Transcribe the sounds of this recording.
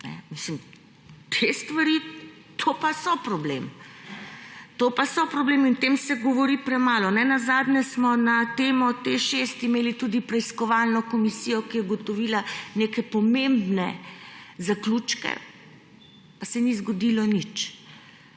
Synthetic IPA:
nɛ̰mislim | t̪ʰest̪ʋaɾi | t̪ʰopasɔpɾɔblḛm | t̪opasɔpɾɔbleːmint̪emsɛɡɔʋɔɾipɾɛmaːlɔnɛnazaːd̪nʲɛsmɔnat̪eːmɔt̪exʃest̪imeːlit̪ud̪ipɾɛiskɔʋalnɔkɔmisijɔkijɛɡɔt̪ɔʋiːlanekɛpɔmembnɛ | zaklut͡ʃkɛ̰ | pasɛnizɡɔd̪ilɔnit͡ʃ

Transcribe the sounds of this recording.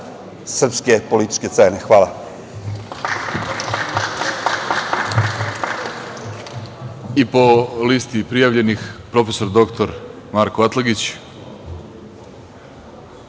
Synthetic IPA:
sr̩pskepolit̪i̥t͡ʃket̪seːnexʋaːla | ipo̞list̪ipɾijaʋʎe̞nixpɾo̞feso̞ɾd̪o̞kt̪oɾ | maːɾkoʋat̪lˠaɡit͡ɕ

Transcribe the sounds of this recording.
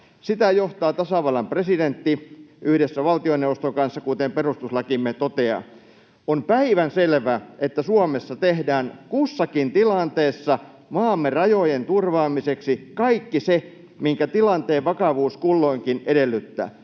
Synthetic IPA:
sit̪æjoht̪ɑːt̪ɑsɑʋɑlɑmpresident̪ːiʔyhdesːæʋɑlt̪ioneuʋost̪oŋkɑnsːɑkut̪emperust̪uslɑkimːet̪ot̪eɑ̰ | ompæiʋænselʋæʔet̪ːæsuɑmesːɑt̪ehdæːŋkusːɑkint̪ilɑnt̪eːsːɑ | mɑːmːerɑjojent̪urʋɑːmiseksikɑikːise | miŋkæt̪ilɑnt̪eːʋʋɑkɑʋuːskulːoiŋkinedelːyt̪ːæ̰ː

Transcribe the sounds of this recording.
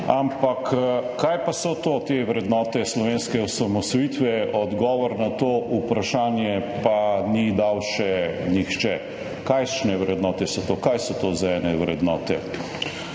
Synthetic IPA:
ampakkːajpasɔt̪ot̪eʋɾɛd̪nɔːt̪ɛslɔʋeːnskɛusamɔsɔjit̪ʋɛɔd̪ɡɔːʋɔɾnat̪oːʔupɾaʃaːnjɛpanid̪awʃɛnixt͡ʃɛ | kajʃnɛʋɾɛd̪nɔːt̪ɛsɔt̪okajsɔt̪ozaɛːnɛʋɾɛd̪nɔ̰ːt̪ɛ̰

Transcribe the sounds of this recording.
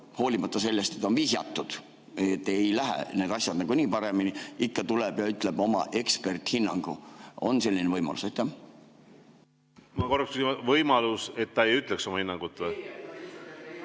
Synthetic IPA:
ho̞ːlʲimɑt̪ːˑɑse̞lːe̞st̪e̞t̪ːˑo̞nviːsjɑ̰t̪ːud̪̥ | jet̪ːˑejlæɦḛne̞ːd̪ɑsʲjɑd̪̥nɑɡ̥uniːpɑɾe̞miniikːɑt̪ulɛb̥jɑyt̪ˑle̞b̥o̞mɑ̰ʔe̞kspe̞rt̪hinːɑŋɡ̥ṵo̞̰nse̞lʲːinevɤjmɑ̰lusejt̪ːˑæ | mɑko̞rːɑkskysimɑvɤjmɑluse̞t̪ːɑejyt̪lekso̞mɑhinːɑŋɡ̥ut̪ːˑe

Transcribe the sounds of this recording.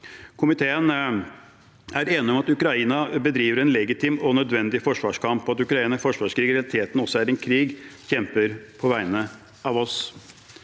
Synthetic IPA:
kʰʊmɪt̪ʰeːən | æɾeːnɪɔmɑt̪ʉkɾɑiːnɑbəd̪ɾiːʋəɾɛnlɛɡɪt̪ʰɪmɔnœd̪ʋɛnd̪ɪfɔʂʋɑːʂkʰɑmpːɔɑt̪ʉkɾɑiːnəfɔʂʋɑːʂkɾiːɡəɾɛɑlɪt̪ʰeːt̪n̩ɔsːɔæɾɛnkʰɾiːɡçɛmpəɾpʰɔʋæɪnə | ɑʋɔs

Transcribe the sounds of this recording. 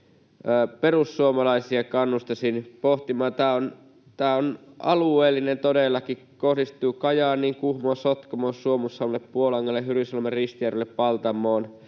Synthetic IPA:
pe̞rusːuomɑlɑisiɑkɑnːust̪esinpoht̪imɑːt̪æːon | t̪æːonʔɑ̰lueːlːinent̪odelːɑki | kohdist̪uːkɑjɑːnniːŋkuhmosot̪komoːssuomusːɑulːeppuolɑŋːɑlːeɦyɾisɑlmerist̪iærilːeppɑlt̪ɑmːˑoːn

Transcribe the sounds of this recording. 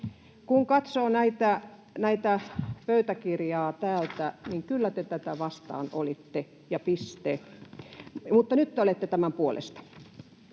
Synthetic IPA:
kuŋkɑt̪soːnæit̪æ | næit̪æpøyt̪ækirjɑːt̪æːlt̪æniŋkylːæt̪et̪æt̪æʋɑst̪ɑ̰ːnolit̪ːe | jɑpist̪e | mut̪ːɑnyt̪ːeolet̪ːet̪æmæmpuolḛst̪ɑ̥

